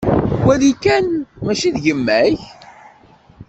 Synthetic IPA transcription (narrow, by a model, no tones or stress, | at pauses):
wælikːænmæʃiðʝəmːæç